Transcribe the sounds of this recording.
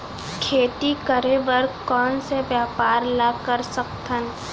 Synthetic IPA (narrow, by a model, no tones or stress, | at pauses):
kʰeːt̪ikəɾeʋəɾkɔːnsebjaːpaːɾlakəɾsəkt̪ʰən